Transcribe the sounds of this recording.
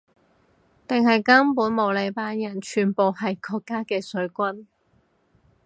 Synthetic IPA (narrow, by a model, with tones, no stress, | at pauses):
t̪ɪ˨ŋɦɐ˨jkɐ˥mpuː˨˥nmo˨˧wle˨˧jpaː˧njɐ˨˩nt͡ʃʰyː˨˩npo˨whɐ˨jkʰɔː˧kːaː˥kɛː˧sɵ˨˥ɥkʷɐ˥n